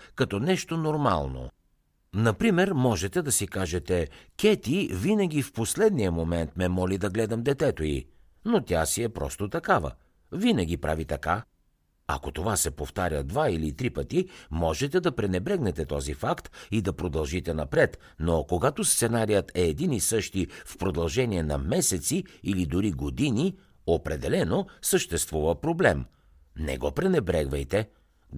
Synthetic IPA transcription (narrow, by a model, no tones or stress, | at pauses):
kɐt̪ɔnɛʃt̪onoɾma̰lˠno̰ | nɐpɾimɛɾmɔʒɛt̪ɛd̪ɐsikaʒɛt̪ɛkʲɛt̪ivinɐɡ̟ifposlɛd̪nijəmomɛnt̪mɛmɔlid̪ɐɡlɛd̪ɐmd̪ɛt̪ɛt̪oḭ | not̪ʲjasiɛpɾɔ̰st̪ot̪ɐkavə̰ | vinɐɡ̟ʲipɾʔa̰vit̪ɐka | ɐ̰kot̪ovasɛpoft̪aɾʲəd̪vailit̪ɾipət̪imɔʒɛt̪ɛd̪ɐpɾɛnɛbɾɛɡnɛt̪ɛt̪ɔzifakt̪id̪ɐpɾod̪ɐlˠʒit̪ɛnɐpɾɛt̪ | nokoɡat̪ost̪sɛnaɾijət̪ɛːd̪inisɤʃt̪ifpɾod̪ɐlˠʒɛniɛnɐmɛsɛt̪siilid̪ʊɾiɡod̪ini | opɾɛd̪ɛlɛnosəʃt̪ɛst̪vuvəpɾoblɛm | nɛ̰ɡɔpɾɛnɛbɾɛɡvɐjt̪ɛ